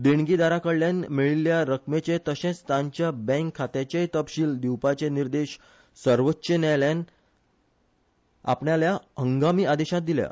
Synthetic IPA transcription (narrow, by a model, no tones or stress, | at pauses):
d̪iɳɡid̪aɾakəɽljãnmiɭiljaɾəkmet͡ɕẽt̪əɕẽst̪ãɲt͡ɕjabɛ̃ŋkʰːat̪jat͡ɕet̪əpɕiːld̪iwpat͡ɕeniɾd̪eɕ | səɾʋətːɕənjalãn | a̰pɳjaljaɦəŋɡamiːad̪eɕãt̪̚d̪ilja̰